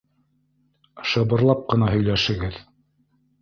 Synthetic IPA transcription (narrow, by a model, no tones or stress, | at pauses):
ʃɤ̆βɤ̆ɾlˠɑp̚qɤ̆nɑɦɵ̆jlæʃɘ̆ɡɘð